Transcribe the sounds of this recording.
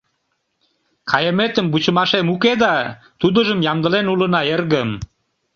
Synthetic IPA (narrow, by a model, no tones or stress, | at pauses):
kʰɑjəmet̪əmbut͡ɕəmɑʃemuked̪ɑ | t̪ud̪əʒəmjɑmd̪əlenulənɑerɣəm